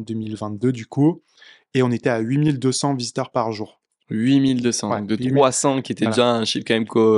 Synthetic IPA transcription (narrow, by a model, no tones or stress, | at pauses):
d̪ømilvɛ̃t̪̚d̪ød̪yku | eɔ̃net̪ɛaɥimild̪øsɑ̃vizit̪œʁpaʁʒuːʁ | ɥimild̪øsɑ̃d̪ət̪χwasɑ̃kʲiet̪ɛʒãɛ̃ʃifkɑ̃mɛmkʰo